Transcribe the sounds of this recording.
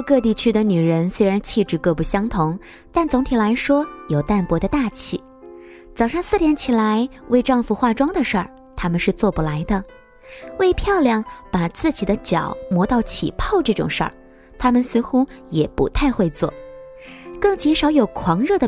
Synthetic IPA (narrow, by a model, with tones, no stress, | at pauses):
kɤ˥˧t̪i˥˩t͡ɕʰy˥d̪ə˨ny˨˩ɻə˧˥nswe˥ɪɻa˧˥nt͡ɕʰi˥˧ʈ͡ʂɻ̩˥˩kɤ˥˧pu˥˩ɕjɑ˥ŋt̪ʰʊ˧˥ŋ | t̪a˥˩nt͡sʊ˧˥ŋt̪ʰi˨˩la˧˥ɪʂwɔ˥jo˨˩ʊt̪a˥˩npwɔ˧˥d̪ə˧t̪a˥˧t͡ɕʰi˥˩ | t͡sɑ˨˩ʊʂɑ˥˧ŋsɹ̩˥˩ljɛ˧˥nt͡ɕʰi˨˩la˧˥ɪ | we˥˧ɪʈ͡ʂɑ˥˧ŋfu˧xwa˥˧˩ʈ͡ʂwɑ˥ŋd̪ə˨ʂə̰˞˥˩ | t̪ʰa˥mə˨nʂɻ̩˥˧t͡swɔ˥˩pu˨˩la˧˥ɪd̪ə˧ | we˥˧ɪpʰjɑ˥˧ʊljɑ˥˩ŋpa˨˩t͡sɹ̩˥˩t͡ɕi˨˩d̪ə˦t͡ɕjɑ˨˩˦ʊmwɔ˧˥t̪ɑ˥˩ʊt͡ɕʰḭ˨˩pʰɑ˥˧ʊʈ͡ʂɤ˥˩ʈ͡ʂʊ̰˨˩ŋʂə̰˞˥˩ | t̪ʰa˥mə˨nsɹ̩˥˧xu˥jɛ˨˩pṵ˧˥t̪ʰa˥˧ɪxwe˥˧ɪt͡swɔ̰˥˩ | kɤ˥˩ŋt͡ɕi˧˥ʂɑ˧˥ʊjo˨˩ʊkʰwɑ˧˥ŋɻɤ˥˩d̪ə˩